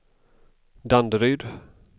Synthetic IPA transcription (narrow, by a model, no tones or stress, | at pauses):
d̪and̪əɾyːd̪